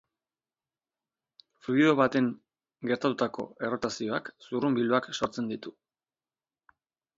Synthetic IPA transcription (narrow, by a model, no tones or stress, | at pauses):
fluio̞βat̪e̞ŋ | ɡe̞ɾt̪at̪ut̪ako̞̰e̞ro̞t̪asio̞aksurumbiluakso̞ɾt͡se̞nd̪it̪u